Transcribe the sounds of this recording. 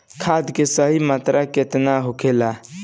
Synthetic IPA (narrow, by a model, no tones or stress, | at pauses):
kʰad̪kesəɦimat̪ɾʔaket̪naɦukʰela